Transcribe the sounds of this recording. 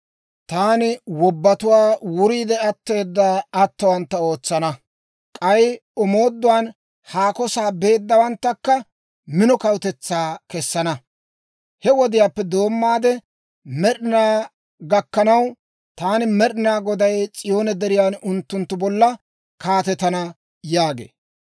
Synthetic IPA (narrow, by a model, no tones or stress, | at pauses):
t̪aːnɪwɔbːɐt̪ʊwaːwʊɾiːd̪ɛɐt̪ːe̞ːd̪ːaɐt̪ːɐwɐnt̪ːɐo̞ːt͡sːɐnɐ | kʼɐjɔmo̞ːd̪ːʊwaːn | haːkɔsaːbe̞ːd̪ːɐwɐnt̪ːɐkːɐ | mɪnɔkɐwt̪ɛt͡sːaːkɛsːɐnɐ | hɛwɔd̪ɪjaːpːɛd̪o̞ːmːaːd̪ɛ | mɛɗɪnaː | ɡɐkːɐnɐw | t̪aːnɪmɛɗɪnaːɡɔd̪ɐjt͡sʼɪjo̞ːnɛd̪ɛɾɪjaːnʊnt̪ːʊnt̪ːʊbɔlːɐ | kaːt̪ɛt̪ɐnɐ | jaːɡḛː